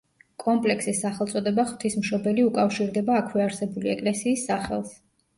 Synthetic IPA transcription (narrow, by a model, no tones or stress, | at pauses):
kʼɔmpʼlɛksisːaχɛlˠt̪sʼɔd̪ɛbaχw̥t̪ʰismʃɔbɛliukʼafʃiɾd̪ɛbaːkʰwɛaɾsɛbuliɛkʼlɛsiːsːaχɛ̰lˠs